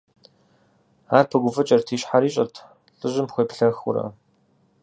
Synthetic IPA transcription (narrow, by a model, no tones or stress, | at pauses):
aːrpʰɐɡʷʊfɨt͡ʃʼɐrtʰiːɕħaɾiːɕʼɐrtʰ | ɬʼɨʑɪmpxʷejpɬɐxʊ̰ɾɐ̰